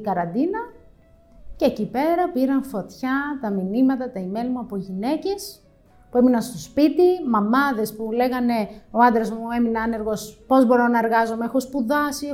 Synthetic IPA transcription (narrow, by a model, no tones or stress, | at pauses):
ikɐɾɐnd̪inɐ | ce̞cipe̞ɾɐpiɾɐnfo̞t̪çɐt̪ɐminimɐt̪ɐt̪ɐime̞lmuɐpo̞ʝine̞ce̞s | pue̞minɐnst̪o̞spit̪imɐmɐðe̞spule̞ɣɐne̞o̞ɐnd̪ɾɐzmue̞minɐɐne̞ɾɣo̞spo̞zbo̞ɾo̞nɐe̞ɾɣɐzomeexo̞spuðɐsi